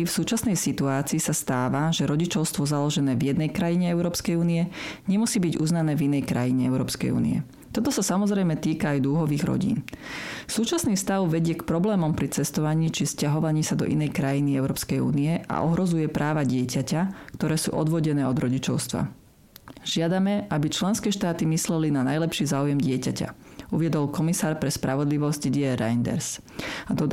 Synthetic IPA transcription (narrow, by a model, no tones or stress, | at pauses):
fsuːt͡ʃasnɛjsit̪uaːt͡siisast̪aːʋaʒɛɾɔɟit͡ʃɔʊst̪ʋɔzalɔʒɛnɛːvjɛd̪̚nɛjkɾajiɲɛɛʊɾɔːpskɛjuːniɛɲɛmusiːbiɟuznanɛːvinɛjkɾa̰jiɲɛɛʊɾɔ̰ːpskɛ̰jṵːnḭɛ̰ | t̪ɔt̪ɔsasamɔzɾɛjmɛt̪iːkaajd̪uɦɔʋiːɣɾɔ̰ɟḭːnsuːt͡ʃasniːfst̪aʊʋɛɟɪɛkpɾɔblɛːmɔmpɾit͡sɛst̪ɔʋaɲiːt͡ʃifscaɦɔʋaɲiːsad̪ɔ̰ʔinɛjkɾajiniɛʊɾɔːpskɛjṵːniɛʔa̰ʔɔɦɾɔzujɛpɾʔaːʋaɟɪɛcacakt̪ɔɾɛːsṵːʔɔd̪ʋɔɟɛnɛːɔd̪ɾɔɟit͡ʃɔʊst̪ʋa̰ | ʒɪad̪amɛʔabit͡ʃlɛnskɛːʃt̪aːt̪imislɛlinanajlɛpʃiːzaːujɛmɟɪɛcaca̰uʋɪɛd̪ɔlkɔmisaːɾpɾɛspɾʔaʋɔd̪liʋɔzcɟiɛɾa̰jnd̪ɛ̰ɾs | ad̪ɔ